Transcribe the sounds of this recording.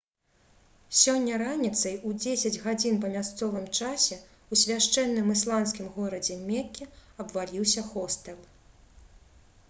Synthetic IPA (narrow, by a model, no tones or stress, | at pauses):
sʲɔnʲːɐɾanʲit̪sɐjud͡zʲesʲɐd͡zʲɣad͡zʲinpɐmʲast̪sɔvɨmt͡ʂasʲɛ | usʲvʲaʂt͡ʂɛnːɨmɨslˠans̬kʲimɣɔɾɐd͡zʲɛmʲɛkʲːɛɐbvalʲiwsʲɐxɔst̪ɛl